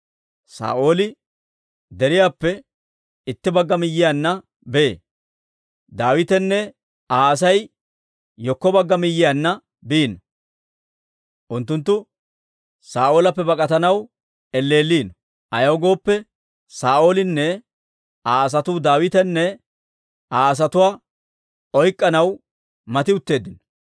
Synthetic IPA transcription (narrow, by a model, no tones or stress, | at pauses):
sa̰ːʔo̞ːlɪ | d̪ɛɾɪjaːpːɛ | ɪt̪ːɪbɐɡːɐmɪjːɪjaːnːɐ | beḛː | d̪aːwɪt̪ɛnːɛ | aːɐs̬ɐj | jɔkːɔbɐɡːɐmɪjːɪjanːɐ | biːnɐ | ʔʊnt̪ːʊnt̪̬ːʊ | saːʔo̞ːlɐpːɛbɐkʼɐt̪ɐnɐw | ɛlːe̞ːlːiːnɔ̥ | ʔɐjɐwɡo̞ːpːɛ | saːʔo̞ːlɪnːɛ | aːɐs̬ɐt̪uːd̪aːwɪt̪ɛnːɛ | aːɐs̬ɐt̪ʊwaː | ɔjkʼːɐnɐw | mɐt̪ɪʊt̪ːe̞ːd̪ɪnɔ̥